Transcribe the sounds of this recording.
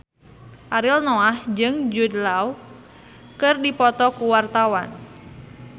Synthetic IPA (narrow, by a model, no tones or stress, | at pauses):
ʔaɾɪlnoahd͡ʒɨŋd͡ʒudlaw | kɨrdipɔt̪ɔkuwart̪awan